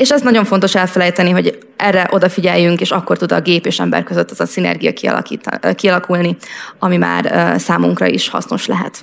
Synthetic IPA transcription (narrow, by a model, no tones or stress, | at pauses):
eːʃɛznɒɟo̞ɱfo̞nt̪o̞ʃɛlfɛlɛjt̪ɛniɦo̞ɟ | ʔɛrːɛʔo̞d̪ɒfiɟɛjːyŋkeːʃɒkːo̞rt̪ud̪ɒ̰ɡeːpeːʃɛmbɛ̰rkøzøt̪ːɛzɒsinɛ̰rɡijɒ̰kiɒ̰l̰kiːt̪kiɒlɒkulniɒmima̰ːrsaːmuŋkrɒ̰ḭʃhɒ̰sno̞̰ʃlɛɦɛ̰t̪